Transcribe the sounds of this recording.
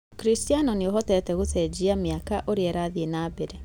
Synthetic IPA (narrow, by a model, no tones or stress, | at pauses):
kɾistianɔneoɦɔtɛtɛɣotɛd͡ʑiamjakaʔoɾeɛɾaðienaːbeɾe